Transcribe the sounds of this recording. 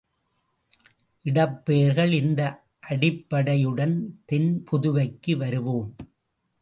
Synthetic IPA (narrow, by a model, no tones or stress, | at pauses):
ʔɪɽɐpːeːɾɣɐɭɪnd̪ɐ | ʔɐɽɪpːɐɽɐjɯɽɐnt̪ɛnpʰʊðʊʋɐɪkːɯʋɐɾɯʋoːm